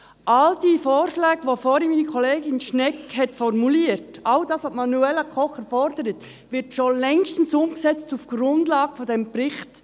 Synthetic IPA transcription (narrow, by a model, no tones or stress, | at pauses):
ʔɑld̥ifoːɾʃlɛːɡ̥əʋofɔɾimiːnikʰɔleːɡɪnʃnɛkhɛtfɔɾmuliːəɾtɑldɑːsapmɑnuɛlːəkʰɔχɛɾfɔɾd̥əɾət | ʋɪɾtʃolɛŋʃtn̩sʊmksɛt͡stufɡ̥ɾʊndlɑːɡ̥əfɔdɛmbɾɪχt